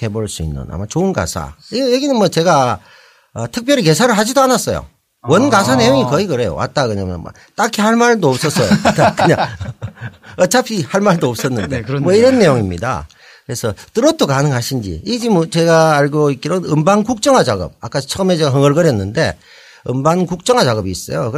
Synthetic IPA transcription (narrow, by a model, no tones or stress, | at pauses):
te̞boɭs͈uḭnːɯ̰na̰mat͡ɕoɯnɡa̰sʰa̰ijeɡinɯnwʌt͡ɕe̞ɡa | ʌtʰɯk̚p͈jʌɾik̬e̞sʰaɾɯɭɦad͡ʑidoanas͈ʌjo̰ | wʌnɡas̬ʰane̞joŋikʌikɯɾe̞jo̰wa̰t̚t͈akɯɲamjʌ̰nma̰ | t͈akʰihaɭmaɭdoʌp̚s͈ʌs͈ʌjokɯɲa | ʌt͡ɕʰapʰihaɭmaɭdoʌp̚s͈ʌnːɯnde̞mwʌiɾʌnːe̞joŋimɲḭda̰ | kɯɾe̞sʰʌt͈ɯɾot͈ʰokanɯŋɦaɕʰind͡ʑḭid͡ʑimt͡ɕeɡaːɭɡoik͈iɾonɯmbaŋkuk̚t͡ɕ͈ʌŋɦat͡ɕaɡʌ̰p̚a̰k͈at͡ɕʰʌɯme̞t͡ɕeɡaɦɯŋʌɭɡʌɾjʌnːɯnde̞̰ | ɯmbaŋkuk̚t͡ɕ͈ʌŋɦat͡ɕaɡʌbiːs͈ʌ̰jo̰kɯ